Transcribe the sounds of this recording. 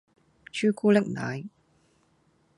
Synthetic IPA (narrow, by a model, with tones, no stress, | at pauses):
t͡ʃʰyː˥kʰuː˥lɛ˥k̚na̰ː˨˥j